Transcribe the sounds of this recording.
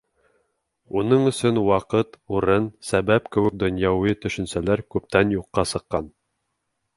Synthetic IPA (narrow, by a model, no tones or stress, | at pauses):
unɤɴɵ̆sɵnwɑqɤt̪uɾɤnsæbæpkɘ̆wɘ̆k̚d̪ŏnjɑwɤt̪ɵ̆ʃɵ̆nsælæɾkʉp̚t̪ænjuqːɑsɤ̆qːɑn